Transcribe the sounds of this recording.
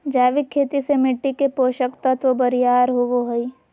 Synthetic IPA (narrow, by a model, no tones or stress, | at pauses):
d͡ʒaːʋɪkʰːeːt̪isemɪʈːikepoːʃəkt̪ɐt̪ʰʋobəɾijaːɾɦoʋoɦəi